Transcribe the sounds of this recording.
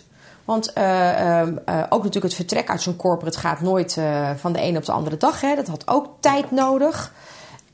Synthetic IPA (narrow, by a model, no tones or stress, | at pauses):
ʋɑnt | ʔo̰wknatyːləkətfəɹtrɛkœ̰ɥtsonkɔɹpərətχa̰ːtnoːjtfɑndəʔḛjnəɔp̚dəʔɑ̰ndərədɑχɦɛdɑtɦɑtʰo̰wktɛjtnowdəχ